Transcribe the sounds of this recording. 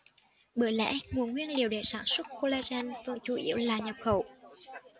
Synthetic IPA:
ɓɨ˧˩əlɛ̰˧˥ŋu˨˩ənŋwi˧ənli˨˩əwɗe˧˩saː˧˩nswə˦˥t̚ko˧laː˧zɛ˧nvɨ̰˨˧˨əŋt͡ɕu˧˩ʔḭ˧˩əwlaː˨˩ɲə˨˩p̚xə˧˩w

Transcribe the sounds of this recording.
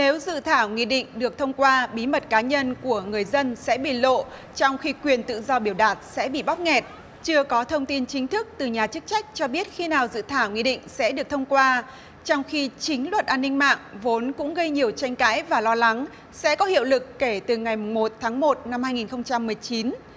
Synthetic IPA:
ne˨˦wzɨ̰˧˨t̪ʰaː˧˩wŋḭ˧˨ɗḭ̈˧˨ŋ̟ɗɨ˨˩ək̚t̪ʰə˧wŋ͡mkwaː˧ɓi˨˦mə˨˩t̚kaː˨˦ɲə˧nku˧˩əŋɨ˨˩əjzə˧nsɛ̰˧˥ɓḭ˧˨lo̰˧˨ | t͡ɕɔ˧wŋ͡mxi˧kwi˨˩ənt̪ɨ̰˧˨zɔ˧ɓi˧˩əwɗaː˨˩t̚sɛ̰˧˥ɓḭ˧˨ɓa˦˥k͡p̚ŋɛ˨˩t̚ | t͡ɕɨ˧əkɔ˨˦t̪ʰə˧wŋ͡mt̪i˧nt͡ɕï˨˦ŋ̟t̪ʰɨ˦˥k̚t̪ɨ˨˩ɲaː˨˩t͡ɕɨ˦˥k̚t͡ɕa˦˥jk̟̚t͡ɕɔ˧ɓi˦˥ət̚xi˧naː˨˩wzɨ̰˧˨t̪ʰaː˧˩wŋḭ˧˨ɗḭ̈˧˨ŋ̟sɛ̰˧˥ɗɨ˨˩ək̚t̪ʰə˧wŋ͡mkwaː˧ | t͡ɕɔ˧wŋ͡mxi˧t͡ɕï˨˦ŋ̟lwə˨˩t̚ʔaː˧nːï˧ŋ̟ma̰ː˧˨ŋvo˨˦nkʊ̰˧˥ŋ͡mɣə˧jɲi˨˩əwt͡ɕa˧jŋ̟ka̰ː˧˥jvaː˨˩lɔ˧la˨˦ŋ | sɛ̰˧˥kɔ˨˦hḭ˧˨əwlɨ˨˩kːe˧˩t̪ɨ˨˩ŋa˨˩jmʊ˨˩ŋ͡mmo˨˩t̚t̪ʰaː˨˦ŋmo˨˩t̚na˧mhaː˧jŋi˨˩nxə˧wŋ͡mt͡ɕa˧mːɨ˨˩əjt͡ɕi˨˦n

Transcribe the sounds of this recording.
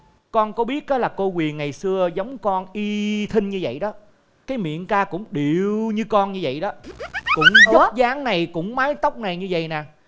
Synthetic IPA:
kɔ˧nkɔ˨˦ɓi˦˥ət̚ʔɔ˨˦laː˨˩ko˧kwi˨˩ənŋa˨˩jsɨ˧əza˨˦wŋ͡mkɔ˧nʔi˧t̪ʰï˧ŋ̟ɲɨ˧və̰˧˨jɗɔ˨˦ | kaː˨˦jmḭ˧˨ənkaː˧kʊ̰˧˥ŋ͡mɗi˨əwɲɨ˧kɔ˧nɲɨ˧və̰˧˨jɗɔ˨˦kʊ̰˧˥ŋ͡mə˦˥zaː˨˦ŋna˨˩jkʊ̰˧˥ŋ͡mmaː˨˦jt̪ə˦˥wk͡p̚na˨˩jɲɨ˧və̰˧˨jnaː˨˩

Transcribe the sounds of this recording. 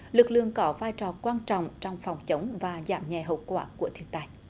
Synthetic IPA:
lɨ˨˩k̚lɨ̰˧˨əŋkɔ˨˦vaː˧jt͡ɕɔ˨˩kwaː˧nt͡ɕɔ̰˧˨wŋ͡mt͡ɕɔ˧wŋ͡mfɔ˨˩wŋ͡mt͡ɕə˨˦wŋ͡mvaː˨˩za̰ː˧˩mɲɛ˨˩ɦə̰˧˨wkwaː˧˩ku˧˩ət̪ʰi˧ənt̪aː˧j

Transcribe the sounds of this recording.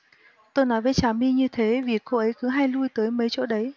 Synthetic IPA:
t̪o˧jnɔ˨˦jve˨˦t͡ɕaː˨˩mi˧ɲɨ˧t̪ʰe˨˦vi˨˩ko˧ʔə˨˦jkɨ˨˦ɦaː˧jlu˧jt̪əː˨˦jmə˨˦jt͡ɕo̰˧˥ɗə˨˦j

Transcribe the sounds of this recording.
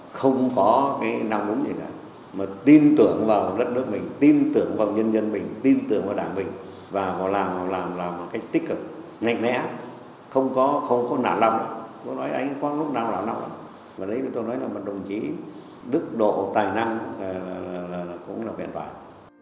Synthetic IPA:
xə˧wŋ͡mkɔ˨˦kaː˨˦jna˧wŋ͡mɗʊ˨˦ŋ͡mzi˨˩na̰ː˧˩ | maː˨˩t̪i˧nt̪ɨ˧˩əŋvaː˨˩wɗə˦˥t̚nɨ˦˥ək̚mï˨˩ŋ̟t̪i˧nt̪ɨ˧˩əŋvaː˨˩wɲə˧nzə˧nmï˨˩ŋ̟t̪i˧nt̪ɨ˨˩əŋvaː˨˩ɗaː˧˩ŋɓï˨˩ŋ̟ | vaː˨˩kɔ˨˦laː˨˩m˨˩laː˨˩mlaː˨˩mː˨˩kaː˨˦˥jk̚t̪i˦˥k̟̚kɨ˨˩k̚ | ŋa̰˧˨jŋ̟lɛ̰˧˥ | xə˧wŋ͡mkɔ˨˦xə˧wŋ͡mkɔ˨˦na̰ː˧˩nla˧wŋ͡mʔa̰ː˨˧˦t͡ɕo̰˧˥˦nɔ˨˦jʔa˧jŋkwaː˦˥lʊ˦˥k͡p̚naː˨˩wlaː˨˩mna˧wŋ͡mʔa̰ː˧˦ | vaː˨˩ɗə˨˦jt̪o˧jnɔ˨˦jlaː˨˩ma˨˩ɗə˨˩wŋ͡mt͡ɕi˨˦ | ɗɨ˦˥ək̚ɗo̰˧˨t̪aː˨˩jna˧ŋː˨˩ | aː˨˩laː˨˩˨kʊ̰˧˥ŋ͡mlaː˨˩wkɛ̰˧˨nt̪ʰwa̰ː˧˩

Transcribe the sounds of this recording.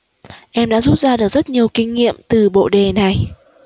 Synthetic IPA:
ʔɛ˧mɗa̰ː˧˥zu˦˥t̚zaː˧ɗɨ˨˩ək̚zə˦˥t̚ɲi˨˩əwkï˧ŋ̟ŋḭ˧˨əmt̪ɨ˨˩ɓo̰˧˨ɗe˨˩na˨˩j

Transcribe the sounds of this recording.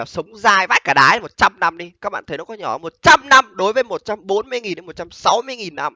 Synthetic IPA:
a˨˩sə˨˦wŋ͡mzaː˧jvaː˦˥j̚kaː˧˩ɗaː˨˦˧mo˨˩t̚t͡ɕa˧mna˧mɗi˧kaː˦˥k̚ɓa̰ː˧˨nt̪ʰnɔ˨˦kɔ˨˦ɲɔ̰˧˩˨mo˨˩t̚t͡ɕa˧mna˧mɗo˨˦jvəː˨˦jmo˨˩t̚t͡ɕa˧mɓo˨˦nmɨ˧əjŋi˨˩ne˨˦mo˨˩t̚t͡ɕa˧msa˨˦wmɨ˧əjŋi˨˩nːa˧m

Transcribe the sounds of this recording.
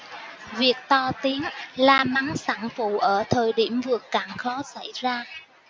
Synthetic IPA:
vi˨˩ək̚t̪ɔ˧t̪i˨˦əŋlaː˨˩ma˨˦ŋsaː˧˩ŋfṵ˧˨ʔəː˧˩t̪ʰəː˨˩jɗi˧˩əmvɨ˨˩əkːaː˧˩ŋxɔ˨˦sa̰˧˩jzaː˧

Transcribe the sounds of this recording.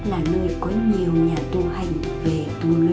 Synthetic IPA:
laː˨˩nə˧əjkɔ˨˦ɲi˨˩əwɲaː˨˩t̪u˧ha˨˩jŋ̟ | ve˨˩t̪u˧nɨ˨˦

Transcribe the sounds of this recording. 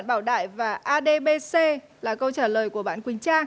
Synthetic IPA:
nɓaː˧˩wɗa̰ː˧˨jvaː˨˩ʔaː˧ɗe˧ɓe˧se˧ | laː˨˩kə˧wt͡ɕaː˧˩ləː˨˩jku˧˩əɓa̰ː˧˨nkwï˨˩˦ŋ̟t͡ɕaː˧ŋ

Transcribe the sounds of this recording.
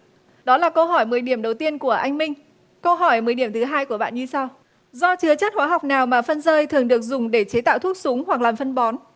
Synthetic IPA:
ɗɔ˨˦laː˨˩kə˧wɦɔ˧˩jmɨ˨˩əjɗi˧˩əmɗə˨˩wt̪i˧ənku˧˩əʔa˧jŋ̟mï˧ŋ̟ | kə˧wɦɔ˧˩jmɨ˨əjɗi˧˩əmt̪ɨ˨˦ɦaː˧jku˧˩əɓa̰ː˧˨nɲɨ˧sa˧w | zɔ˧t͡ɕɨ˧ət͡ɕaː˦˥t̚hwaː˨˦ɦa˨˩wk͡p̚naː˨˩wmaː˨˩fə˧nzəː˧jt̪ʰɨ˨˩əŋɗɨ˨˩ək̚zʊ˨˩ŋ͡mɗe˧˩t͡ɕe˨˦t̪a̰ː˧˨wt̪ʰu˦˥t̚sʊ˨˦ŋ͡mwa˨˩k̚laː˨˩mfə˧nɓɔ˨˦n

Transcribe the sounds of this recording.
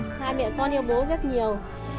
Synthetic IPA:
haː˧jmɛ̰˧˨kɔ˧nʔi˧əwɓo˨˦zə˦˥t̚ɲi˨˩əw

